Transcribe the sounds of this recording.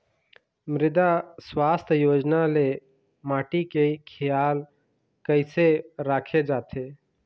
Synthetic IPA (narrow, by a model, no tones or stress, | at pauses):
mɾɪd̪aswaːst̪ʰjoːd͡ʒnale | maːʈikekʰɪjaːl | kəɪseɾaːkʰed͡ʒaːt̪ʰeː